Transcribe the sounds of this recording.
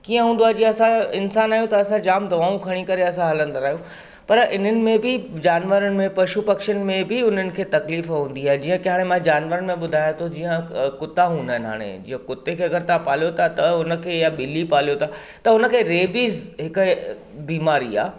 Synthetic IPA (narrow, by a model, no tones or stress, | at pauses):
kiːə̃ɦũːn̆d̪oaːɦd͡ʑiːə̃ɐsãɪnsaːnaːɦjõt̪ɐɐsãd͡ʑaːmd̪ɐʋaːũkʰɐɽ̃ikɐɾeɐsãɦɐlə̃nd̪aɾaːɦjũ | pɐɾʔɪn̤ənɪ̆mẽbɪd͡ʑaːnʋəɾənɪ̆mẽpɐʃupɐkʃən̆mẽbɪʊn̤ənɪ̆kʰeːt̪ɐkliːfɦũːn̆d̪iaːɦed͡ʑiːə̃kɐɦaːɽ̃emãd͡ʑaːnʋəɾənɪ̆mẽɓʊd̪ʱaːjãt̪ʰod͡ʑiːə̃kʊt̪aɦũːnd̪aːɪnɦa̰ːɽ̃ḛd͡ʑḭːə̃kʊt̪ːekʰeːɐɡəɾt̪ãpaːljot̪ʰat̪ɐʊnə̆kʰeːjaɓɪlːipaːlijot̪ʰa | t̪ɐʊnə̆kʰeːɾeːbiːzɦɪk | biːmaːɾia̰ː